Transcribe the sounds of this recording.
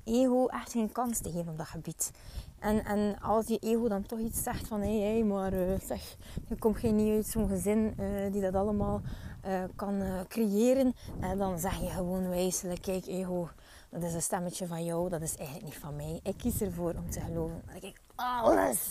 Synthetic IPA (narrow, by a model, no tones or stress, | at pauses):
eːɦoːʔɛxtxeːnkɑnstəɣeːvənɔmdɑtxəbitʔɛnɛnɑ̰lˠsjəʔeːɦodɑntɔxitsːɛxtfɑnɦejeːmaːrəːsɛx | jəkɔmtxeːnːiœɥtsoːnɣəzɪnədidɑtɑləmaːlˠː | kɑnkrejeːɾənɛdɑnzɛxjəɣəwoːnʋɛjsələkːɛjkeːɦo | d̥ɑtɪsənstɛmət͡ʃəvɑnjɔwdɑtɪsɛɣənlək̚nitfɑnmɛjʔɪkːisərvoːɾɔmtəɣəloːvənma̰kɛk | ɑlə̰s